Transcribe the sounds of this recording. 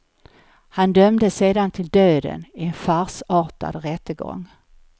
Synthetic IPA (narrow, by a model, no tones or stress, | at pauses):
hand̪œmd̪əseːd̪ant̪ʰɪld̪øːd̪ə̰nɪɛnfaɾsɑːʈa̰d̪ɾɛt̪ːəɡɔ̰ŋː